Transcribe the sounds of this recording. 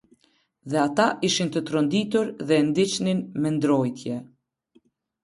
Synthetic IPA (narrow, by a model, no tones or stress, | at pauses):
ðɛat̪aʔiʃint̪ət̪ɾɔnd̪it̪uɾðɛnd̪it͡ʃninmɛnd̪ɾɔjt̪ʰjɛ